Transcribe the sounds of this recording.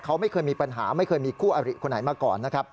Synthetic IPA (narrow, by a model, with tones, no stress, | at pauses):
kʰa˦˥wma˥˩jkʰɤː˧jmiː˧pa˧nɦa̰ː˩˦ma˥˩jkʰɤː˧jmiː˧kʰuː˥˩ʔa˧ɾḭ˨˩kʰo˧nːa˩˦jmaː˧kɔ̰ː˨˩nːa˦˥kʰa˦˥p̚